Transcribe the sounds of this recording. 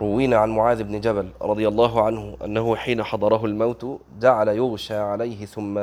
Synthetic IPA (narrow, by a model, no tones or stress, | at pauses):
ɾˤʊwːiːnaʕanmʊʕaːðɪbnɪd͡ʒabalɾˤɑd̪ˤɨjalˤːɑːɦʊʕanhʊʔa̰nːahʊħiːnaħɑd̪ˤɑɾˤɑɦʊlmawt̪ | d͡ʒaʕalajʊɣʃaːʕalajhɪθʊmːa